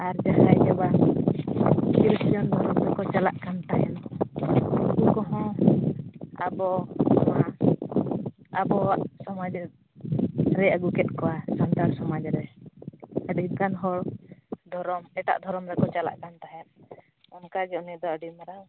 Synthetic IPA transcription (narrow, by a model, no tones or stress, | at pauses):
aɾd͡ʒaɦajd͡ʒɛba | kiɾsɔnd̪ʱɔɾɔmɾɛkɔt͡ʃalaʔkant̪aɦɛnɔ | uɡukɔɦɔ̃ | a̰bɔɔma | abɔaʔsɔmad͡ʒ | ɾɛaɡukɛt̪̚ˀkɔasɔnt̪aɾsɔmad͡ʒɾɛ | ɛɖit̪̚kanɦɔɽd̪ʱɔɾɔmɛʈa̰ʔd̪ʱɔɾɔmɾɛkɔt͡ʃala̰ʔkant̪aɦɛɾ | ɔmkad͡ʒɛɔnɛd̪ɔəɖimaɾa